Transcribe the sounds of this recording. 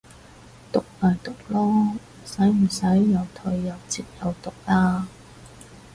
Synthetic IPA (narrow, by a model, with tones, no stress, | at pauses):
t̪ʊ˨k̚laː˨˩jt̪ʊ˨k̚lɔː˥ | sɐ˨˥jm̩˨˩sɐ˨˥jːɐ˨˧wt̪ʰɵ˧ɥːɐ˨˧wt͡siː˧p̚jɐ˨˧wt̪ʊ˨k̚laː˥